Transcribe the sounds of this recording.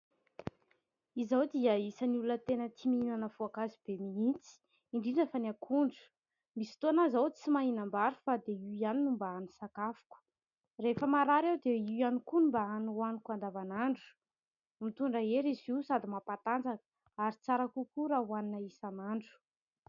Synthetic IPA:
izawd̪iəisəniulunət̪enət̪ʰimiinanəvoakazib̥emiint͡si̥ | iɳɖ͡ʐiɖ͡ʐfanakʰuɳɖ͡ʐu̥ | misi̥t̪oanazawt͡simaɦinambaɾufad̪eiianinumbaanisakafu̥kə̥ | refəmaɾaɾewd̪eijanikunumbaananikand̪avanaɳɖ͡ʐu̥ | mit̪uɳɖ͡ʐaeɾiziwsad̪imapat̪and͡zakə̥ | aɾit͡saɾakukuɾaɦwaninaisanaɳɖ͡ʐu̥

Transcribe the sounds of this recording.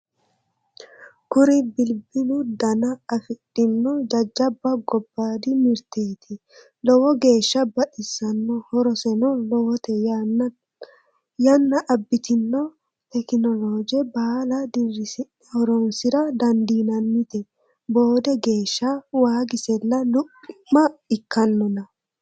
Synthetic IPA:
kʊɾɪbɪlbɪlʊd̪ɐnɐːfɪᶑːɪnːɔd͡ʒɐd͡ʒːɐbːɐɡɔbːaːd̪ɪmɪɾt̪eːt̪ʰɪ | lɔwɔɡe̞ːʃːɐbɐᶑɪsːɐnːɔhɔɾɔsɛnɔlɔwɔt̪ɛ | jɐnːɐʔɐbːɪt̪ɪnːɔ | t̪ɛkɪnɔloːd͡ʒɛbaːlɐd̪ɪrːɪsɪ | hɔɾɔnsɪɾɐd̪ɐnd̪iːnɐnːɪt̪ɛ | bo̞ːd̪ɛɡe̞ːʃːɐwaːɡɪsɛlːɐlʊpʼːɪmːɐɪkːɐnːɔnɐ

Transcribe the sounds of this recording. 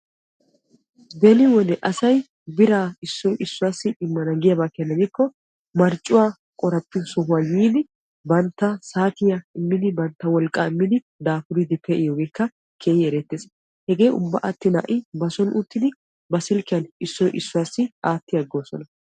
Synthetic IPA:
d̪ɛlɪwɔnɛʔɐsɐj | bɪɾaːɪsːɔjʔɪsːʊwaːsːɪɪmːɐnɐɡɪjɐbakːɐnːɐɡɪkːɔ | mɐɾt͡ʃʼːʊwaː | kʼɔɾɐpːɪsɔhʊwajiːd̪ɪ | bɐnt̪ːɐsaːt̪ɪjaɪmːɪd̪ɪbɐnt̪ːɐwɔlkʼːaːɪmːɪd̪ɪ | d̪aːfʊɾɪd̪ɪpːɛʔɪjoːɡɛkːɐ | kʰeːjɪɛɾɛt̪ːeːs | hɛɡe̞ːjʊ̰bːɐ̰ʔɐt̪ːɪna̰ʔɪbɐsɔnʊt̪ːɪd̪ɪ | bɐsɪlkɪjɐnɪsːɔjʔɪsːʊwaːsːɪaːt̪ːɪjɐɡoːsɔnɐ

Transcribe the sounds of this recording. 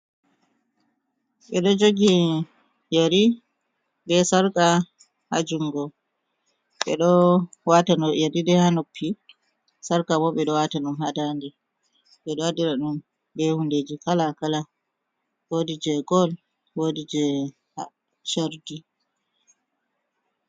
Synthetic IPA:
ɓɛɗɔd͡ʒoɡi | jeɾi | bɛsaɾka | ha̰d͡ʒuŋɡɔ | ɓɛ̰ɗɔwatanɔjadidɛhanopʰːi | saɾkabɔɓɛɗɔwataɗumhadandɛ | ɓɛɗɔwadiɾaɗum | bɛhunded͡ʒikalakala | wodid͡ʒɛɡɔl | wodid͡ʒɛ | ha̰ | t͡ʃaɾdi

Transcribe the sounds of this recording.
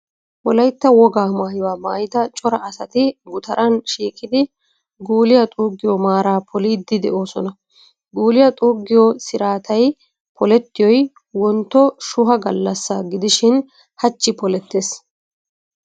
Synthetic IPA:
wɔlɐjt̪ːɐwɔɡaːmaːjɪwaːmaːjɪt̪ɐt͡ʃʼɔɾɐʔːsɐt̪ɪɡʊt̪ɐɾʔɐnʃiːkʼɪd̪ɪ | ɡuːlɪjɐt̪ʼuːɡɪjɔmaːɾaːpʰɔliːd̪ːɪd̪ɛ̰ʔo̞ːsɔnɐ | ɡuːlɪjɐt̪ʼuːɡːɪjɔsɪɾaːt̪ʰɐj | pʰɔlɛt̪ːɪjɔj | wɔnt̪ːɔʃʊɦɐɡɐlːɐsːaɡɪd̪ɪʃɪn | hɐt͡ʃːɪpɔlɛt̪ːeːs

